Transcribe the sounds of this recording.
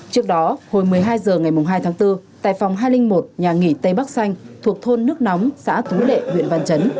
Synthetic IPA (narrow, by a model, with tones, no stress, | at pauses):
t͡ɕɨ˦˥ək̚ɗɔ˨˦ho˨˩jmɨ˨˩əjɦaː˧jzəː˨˩ŋa˨˩jm˨˩ŋ͡mɦaː˧jt̪ʰaː˨˦ŋt̪ɨ˧t̪a̰ː˧˨jfa˨˩wŋ͡mɦaː˧jlï˧ŋ̟mo˨˩t̚ɲaː˨˩ŋḭ˧˩t̪ə˧jɓa˦˥k̚sa˧jŋ̟t̪ʰu˨˩ək̚t̪ʰo˧nːɨ˦˥ək̚nɔ˨˦wŋ͡msa̰ː˧˥t̪ʰu˨˦lḛ˧˨hwḭ˧˨ənva˧nt͡ɕə˨˦n